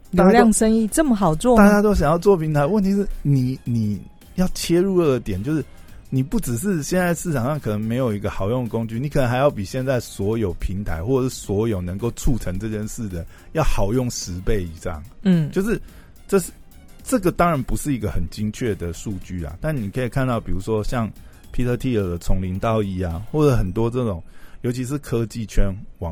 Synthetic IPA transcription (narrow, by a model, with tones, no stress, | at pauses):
a˥˩˥a˦ljɑ˥˧ŋʂə˥ŋi˥˨ʈ͡ʂə˥˩mə˩xɑ˨˩ʊt͡swɔ˥˨t̪a˥˨t͡ɕja˥t̪o˥ʊɕ̬jɑ˨ŋjɑ˥˧ʊt͡swɔ˥˩pʰi˧˥nt̪ʰa˧˦ɪwə˥˨nt̪ʰi˨˧ʂɻ̩˥˩ni˨˩ni˨˩ | jɑ˥˩ʊt͡ɕʰjɛ˥ɻu˥˧ə˥˩ə˧˦t̪jɛ˨˩˦nt͡ɕo˥˧ʂɻ̩˥˩ni˨˩pu˥˩ʈ͡ʂɻ̩˨˩ʂ̬ɻ̩˥˧ɕjɛ˥˧nt͡sa˥˧ɪ˦ʂɻ̩˥˩ʈ͡ʂʰɑ˨˩ŋʂɑ˥˩ŋkʰɤ˨˩nə˧ŋme˧˥ɪjo˨˩ʊi˧˥ɡə˧xɑ˨˩ʊjo˥˩ŋd̪ə˩ko˦ŋt͡ɕy˥˨ni˨˥k̪ʰə˧˦ŋxa˧˥ɪjɑ˥˩ʊpi˨˩ɕjɛ˥˧nt͡sa˥˩ɪswɔ˧˥jo˨˩ʊpʰi˧˥˦ŋt̪ʰa˧˦ɪxwɔ˥˩˨ʂɻ̩˥˩swɔ˧˥jo˨˩ʊnə˧˦ŋko˥˧ʊʈ͡ʂʰu˥˩ʈ͡ʂʰə˧˥ŋʈ͡ʂɤ˥˧t͡ɕjə˥˧nʂɻ̩˥˩d̪ə˩ | jɑ˥˩ʊxɑ˨˩ʊjo˥˩ŋʂɻ̩˧˥pe˥˩ɪi˨˩ʂɑ̰˥˩ŋ̩˥˩jo˥˧ʊʂ̬ɻ̩˥˩ | ʈ͡ʂɤ˥˧ʂ | ʈ͡ʂɤ˥˩ɡə˩t̪ɑ˥ŋɻa˧˦npu˧˥ʂɻ̩˥˩i˧˥ɡə˧xə˨˩nt͡ɕi˥ŋt͡ɕʰɥɛ˥˩d̪ə˩ʂu˥˧t͡ɕy˥˩la̰˨˩t̪a˥˩nni˨˩kʰɤ˧˥i˨˩kʰa˥˧nt̪ɑ˥˩ʊpi˨˩ɻu˧˥ʂwɔ˥ɕjɑ˥˩ŋ | pʰi˥t̪ʰɤ˥˧t̪ʰi˥˩ə˨˩d̪ə˦t͡sʰʊ˧˥ŋli˧˥ŋt̪ɑ˥˧ʊi˥˩a˨xwɔ˥˩d͡zɤ˧˦xə˨˩nt̪wɔ˥ʈ͡ʂɤ˥˩ʈ͡ʂʊ˨˩ŋjo˧˥ʊt͡ɕʰi˧ʂ̬ɻ̩˥˧˨kʰɤ˥˦t͡ɕi˥˨˩t͡ɕʰɥɛ˥nwɑ˨˦ŋ